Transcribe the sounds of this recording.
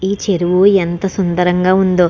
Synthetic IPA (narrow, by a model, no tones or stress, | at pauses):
iːt͡ʃeɾuʋuent̪ɐsund̪ɐɾɐŋɡaːund̪oː